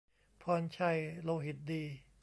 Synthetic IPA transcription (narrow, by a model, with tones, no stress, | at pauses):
pʰɔː˧nt͡ɕʰa˧˥˩jloː˧ɦi˨˩t̪̚diː˧